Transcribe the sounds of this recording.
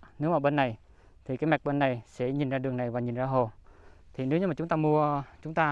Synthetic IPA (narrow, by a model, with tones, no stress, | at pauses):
ne˨˦˥wmaː˧˩ɓe˧nːa˨˩j | t̪ʰi˨˩kaː˨˦jma˨˩k̚ɓe˧nːa˨˩jsɛ̰˧˥ɲi˨˩nzaː˧ɨ˨˩əŋna˨˩jvaː˨˩ɲi˨˩nzaː˧ɦo˨˩t̪ʰi˨˩ne˨˦wɲɨ˧aː˨˩ʊ˨˦ŋ͡mt̪aː˧mu˧ət͡ɕʊ˨˦ŋ͡mt̪aː˧